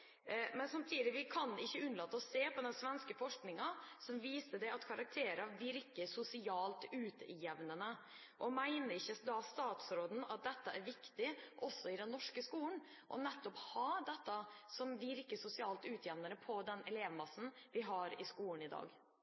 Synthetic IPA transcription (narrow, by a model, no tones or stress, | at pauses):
mɛnsɑmt̪ʰiːd̪ɪʋɪkʰɑnɪçːəʉnəlɑt̪ːɔsːeːpʰɔd̪ɛnsʋɛnskəfɔʂknɪŋɑsɔmʋiːsəd̪ɛɑt̪kʰɑɾɑk̚t̪ʰeːɾəʋɪɾkəsʊsɪɑːlt̪ʉːt̪jɛʋnənə | ʔɔmæɪnəɾɪçːəd̪ɑst̪ɑːt̪sɾoːd̪n̩ɑ̰t̪̚d̪ɛt̪ːəʔæɾʋɪkt̪ɪʔɔsːɔɪd̪ɛnːɔʂkəskuːɳ | ʔɔ̰nɛt̪ːɔphɑd̪ɛt̪ːɑsɔmʋɪɾkəsʊsɪɑːlt̪ʉːt̪ʰjɛʋnənəpʰɔd̪ɛnɛleːʋmɑsn̩ʋɪɦɑɾɪskuːlnɪd̪ɑ̰ːɡ